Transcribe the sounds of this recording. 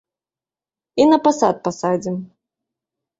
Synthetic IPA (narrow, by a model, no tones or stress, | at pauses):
inɐpasa̰t̪̚pasad͡zʲim